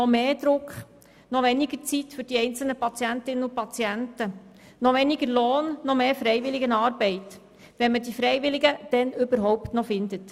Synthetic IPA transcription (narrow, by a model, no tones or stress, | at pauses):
nɔmeːd̥ɾʊkχ | nɔʋɛniɡəɾt͡sitfʏɾd̥iɛɪnt͡sl̩nəpɑt͡sjæntɪnənʊpɑt͡siæntə | nɔʋɛniɡəɾloːnːɔmeːfɾɛɪʋɪlɪɡənɑːɾbɛɪt | ʋɛnmədifɾɛɪʋɪliɡəd̥ɛnʏbəɾɦɔwptnɔfɪnd̪ət